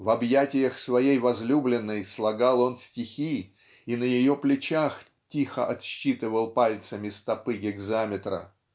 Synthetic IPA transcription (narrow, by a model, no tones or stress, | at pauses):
vɐbjatʲɪjəxsvɐjejvɐzlʲublʲɪnːəjslˠɐɡɑlˠo̞nsʲtʲɪxʲi | inəjɪjoplʲɪt͡ɕax | tʲixə̰ʔɐt̪ɕːit̪ɨvəlˠpalʲt̪səmʲɪst̪ɐpɨɡʲɪɡzamʲɪt̪ɾə̰